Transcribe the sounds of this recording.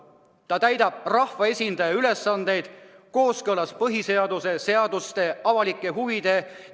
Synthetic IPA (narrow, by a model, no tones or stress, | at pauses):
t̪ɑt̪æjd̪̥ɑb̥̚rɑhvɑe̞sʲind̪̥ɑjɑyle̞sːɑnd̪e̞jd̪̥ko̞ːskɤlɑspɤɦise̞ɑd̪̥use̞se̞ɑd̪̥ust̪e̞ɑvɑlikːˑe̞ɦuvid̪̥e̞